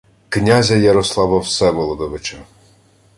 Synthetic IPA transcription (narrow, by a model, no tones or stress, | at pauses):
knʲazʲɐjɐɾɔslˠɑʋɐwsɛʋɔlˠɔd̪ɔʋɪt͡ʃɐ